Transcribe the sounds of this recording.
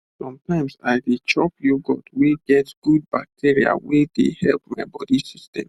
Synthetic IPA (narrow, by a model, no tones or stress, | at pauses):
sɔ̃mtãɪ̃msaɪdit͡ʃɔpjuɡɔ̰dweɡɛtɡ̥ud̚bak̚tʰiɹia̰wedḛhɛlpmaɪbɔdisistɛ̰̃m